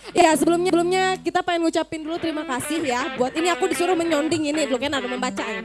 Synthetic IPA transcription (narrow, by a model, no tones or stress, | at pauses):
jaasəbəlʊmɲabəlumɲakit̪apaɪnut͡ʃapɪndulut̪əɾimakasɪhjabuat̪iniakudisuɾʊhməɲɔndɪŋinidulukanaduməmbat͡ʃan